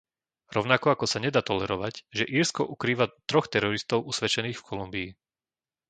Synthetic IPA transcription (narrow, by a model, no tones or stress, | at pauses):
ɾɔʊnakɔakɔsaɲɛd̪aːt̪ɔlɛɾɔʋaɟʒɛʔiːɾskɔʔukɾiːʋat̪ɾɔxt̪ɛɾɔɾist̪ɔʊʔusʋɛt͡ʃɛniːxfkʰɔlumbiː